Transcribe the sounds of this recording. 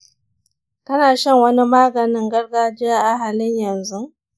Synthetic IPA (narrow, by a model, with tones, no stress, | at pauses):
tɐ˦naː˨ʃɐ˦ŋwɐ˦ni˦maː˦ɡɐ˨nɪ˦ŋɡɐ˦rɡaː˦d͡ʒɪ˦jaː˦ʔa˨ɦa˨lɪ˦ɲjɐ˨nzu˦